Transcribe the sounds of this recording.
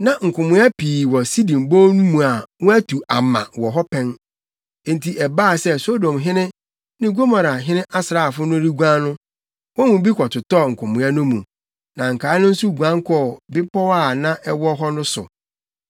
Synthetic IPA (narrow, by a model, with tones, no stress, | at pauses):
nã˨ŋ̩˨kʰʊ̃˨mʊ̃˨˦a˦pʰiː˨wɔ˨si˦dĩ˨m˨bo˦nũ˦mũ˨a˨wʊ̃˦æ˦tʰu˨a˨mːã̰˨wɔ˨ɦɔ˦pʰɛ̃˦n˨ | n̩˨tʰi˨ʔɛ˨baː˦˨sɛ˦so˦dɔ̃˨mɦɪ̃˦nɪ̃˦ | nɪ̃˦ɡo˦mã˨ɾa˨ɦɪ̃˦nɪ̃˦ʔa˦sɾa˨fʊ˦nʊ̃˦ɾi˦ɡʷã˦nʊ̃˦ | wɔ̃˦wʊ̃˨bi˦kʷʰɔ˨tʰʊ˨tɔ˦˨ŋ̩˨kʰʊ̃˨mʊ̃˨˦a˦nʊ̃˦mũ˨ | nã˨ŋ̩˨kʰaː˨˦nʊ̃˦n̩˦su˦˨ɡʷã˦ŋ˦kʰɔ˦˨bɪ˦pʰɔ˦wa˦˨nã˦ʔɛ˦wɔ˦ɦɔ˦nʊ̃˦sʊ̰˨